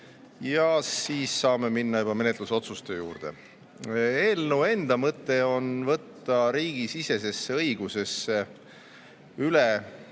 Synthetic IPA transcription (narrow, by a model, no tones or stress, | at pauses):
jɑsiːsːɑːme̞minːɑjub̥ɑme̞ne̞t̪luso̞t̪sust̪e̞jṵːrd̪̥e̞̰ | eːlnue̞nd̪ɑmɤt̪ːe̞o̞nvɤt̪ːɑɾiːɡ̥isise̞se̞sːeɤjɡ̥use̞sːe | yle